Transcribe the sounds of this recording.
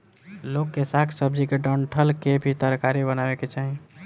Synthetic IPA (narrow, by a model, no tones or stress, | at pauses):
lokːesakʰsəb̚d͡ʒikeɖəɳʈʰəlkebʱit̪əɾkaɾibənabeket͡ʃaɦi